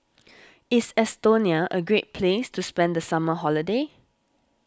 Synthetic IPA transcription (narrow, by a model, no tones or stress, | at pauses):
ɪsɛstoniəʔəɡɹet̚pʰlestʰuspɛ̃ndəsaməɦɔlide